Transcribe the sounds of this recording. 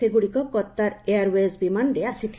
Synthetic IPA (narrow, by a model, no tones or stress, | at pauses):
eɡuɽikɔkɔt̪ːaɾeaɾwezbimanɾeasit̪ʰ